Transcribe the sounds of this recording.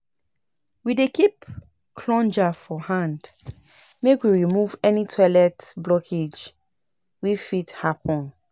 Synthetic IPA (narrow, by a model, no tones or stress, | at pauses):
widekip | kʰlɔ̃nd͡ʒafɔhãnd | mekwiɹimuvɛnitʰɔlɛtblɔkʰed͡ʒ | wifithapʰɔ̃n